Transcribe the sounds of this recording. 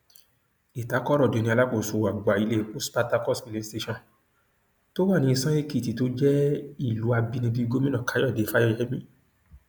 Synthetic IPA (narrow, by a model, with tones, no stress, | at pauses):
i˨ta˨˦kɔ˦ɾɔ˦˨de˨˦nĩ˧a˧la˦ko˦˨so˨a˨ɡ͡ba˨i˧le˦o˦spa˧ta˧kɔ˦˨sbi˨le˨˦ste˧ʃɔ̃˦˨ | to˦wa˦˨nĩ˧˦i˧sã˦e˦ki˦˨ti˨to˦d͡ʒɛ˦i˦˨lu˨˦a˧bi˧nĩ˧bi˦ɡo˦mĩ˦nɔ̃˦˨ka˨˦jɔ˦˨de˨˦fa˦ɔ˦˧˨ɛ˦mĩ˦